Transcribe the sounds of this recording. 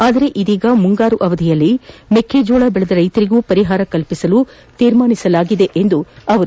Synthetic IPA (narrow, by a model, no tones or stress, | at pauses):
aːd̪ɐɾe̞ʔid̪iːɡɐmuŋɡaːɾuʔɐʋɐd̪ʱijɐlːimekʰeːd͡ʒoːɭaːbɛɭɐd̪ɐɾɐjt̪ɐɾiɡuːpɐɾiɦaːɾɐkɐlpisɐlu | t̪iːɾmaːnisɐlaːɡid̪e̞ʔend̪uɐʋɐ